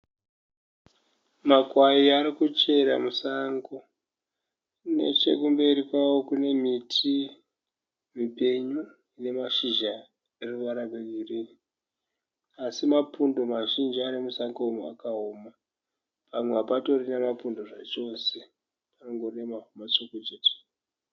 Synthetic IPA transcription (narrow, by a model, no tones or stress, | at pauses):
makwaiaɾikut͡ʃe̞ɾa̰musaŋɡo | ne̞̰t͡ʃe̞kumbe̞ɾikwawo̞kune̞mitʰi | mipe̞ɲu | ine̞maʃiʒa | eruʋaɾabeɡʱiriri | asimapundo̞maʒind͡ʒianimusaŋɡoumua̰kaoːma | pamweapato̞rinemapundo̞ʐat͡ʃo̞se̞ | panoŋɡoremaumat͡ʃoket͡ʃet͡ʃe̥